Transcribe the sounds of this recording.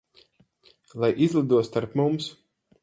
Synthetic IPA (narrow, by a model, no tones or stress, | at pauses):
lˠajʔizlˠɨd̪uɔst̪aɾpmums